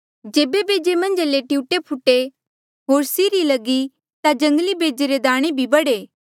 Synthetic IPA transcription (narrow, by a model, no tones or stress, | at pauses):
d͡ʒeːbebeːd͡ʒemɐ̃nd͡ʒleʈiuʈepʰʊʈːe | ɦoːɾsiːɾilɐɡi | t̪ad͡ʒɐ̃ŋɡlibeːd͡ʒeɾed̪aːɽ̃ebʱibɐɽeː